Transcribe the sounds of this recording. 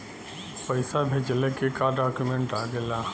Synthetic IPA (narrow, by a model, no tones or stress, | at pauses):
pɐɪsabʱed͡ʒəlekekaːɖaːkjumẽɳʈaːɡelaː